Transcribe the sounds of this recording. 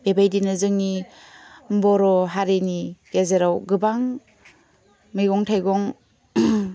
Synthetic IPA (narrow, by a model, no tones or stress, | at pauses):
b̥ebajdinɯzɯŋni | mbɔɾɔɦaɾeniɡ̥ezeɾawɡɯbaŋ | miɡɔŋtʰajɡɔŋ